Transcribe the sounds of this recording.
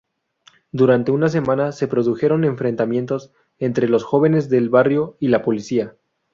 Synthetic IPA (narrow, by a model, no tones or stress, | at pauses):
d̪uɾant̪e̞unas̬e̞mãnase̞pɾo̞ðuxe̞ɾo̞ne̞ɱfɾe̞nt̪amjẽ̞nt̪o̞s | e̞nt̪ɾe̞lo̞sxo̞β̞e̞ne̞zðe̞lβarjo̞ilapo̞lisia